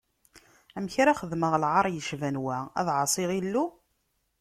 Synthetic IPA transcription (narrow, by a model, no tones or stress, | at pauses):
æmçɾaχəðməʁlʕɑɾˤjəʃvænwææ̰ðʕɑsˤiʁilːu